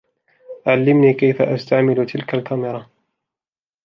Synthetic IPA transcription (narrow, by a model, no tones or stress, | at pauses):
ʕalːɪmniːkajfaʔast̪aʕmɪlʊt̪ʰɪlkalkamɪɾˤɑ